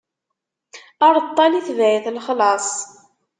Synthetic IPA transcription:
əɾˤt̪ˤːɑliθvæθlχlɑsˤ

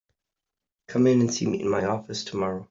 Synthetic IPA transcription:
kʰʌ̃mɪ̃nə̃nsḭːmḭʔɪ̰̃nmaɪɔfɪstʰəmɒɹoʊ

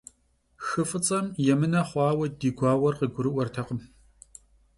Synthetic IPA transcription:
xɨfɨt͡sʼɐmjɛmɨnɐχʷɑːwɐdiːɡʷɑːwɐrqəɡʷʊɾɨʔʷɔrtʰɐqəm

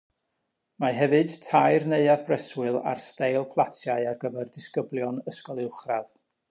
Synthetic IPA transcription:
maɦɛvɨd̥tʰajrneɨaðbrɛswɨlˠa̰rstejlˠflˠatʰjaɨarɡəvɛrdɪskəblˠjɔnəskɔlˠɪwχrað̥

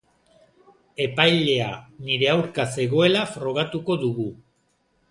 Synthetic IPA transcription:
e̞pajle̞a̰niɾe̞awɾkase̞ɣ̞o̞e̞lafɾo̞ɣ̞at̪uko̞ðuɣu

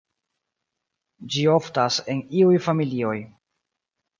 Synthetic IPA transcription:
d͡ʒio̞ftase̞niujfamilio̞j

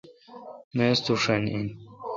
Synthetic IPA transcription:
mest̪uʂenin

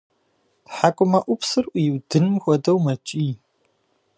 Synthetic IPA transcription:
ħakʷʼʊmɐʔʷʊpsɨrʔʷjɪwdɨnɨmxʷɔdɐwmɐt͡ʃʼiː

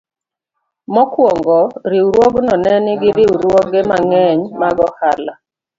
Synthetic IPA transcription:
mɔkwɔŋɡɔɾiwɾwoɡnɔnɛnɪɡɪɾiwɾwoɡɛmaŋɛɲmaɡɔhala

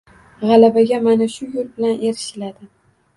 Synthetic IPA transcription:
ʁɑlabaɡʲamanaʃʊjʊlbɪlanʔeɾɪʃɪlad̪ɪ

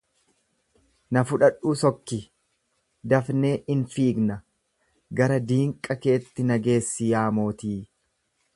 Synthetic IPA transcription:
nɐfʊᶑɐᶑuːsɔkːɪ | d̪ɐfne̞ːʔɪnfiːɡnɐ | ɡɐɾɐd̪iːŋkʼːɐke̞ːt̪ːɪnɐɡe̞ːsːɪjaːmo̞ːt̪iː

